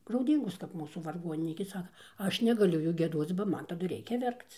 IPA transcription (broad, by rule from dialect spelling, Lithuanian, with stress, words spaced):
ɡrɐʊˈdʲiːŋɡoːs kɐp ˈmuːsuː ʋɐrˈɡoːnʲɪnʲiːkʲeː ˈsɑːkɐ ˈɐʃ nʲɛɡɐˈlʲʊ ˈjuː ɡʲiɛˈdoːt͡s bɐ ˈmɐn tɐˈdʊ ˈrʲɛɪkʲɛ ˈʋʲɛrkt͡s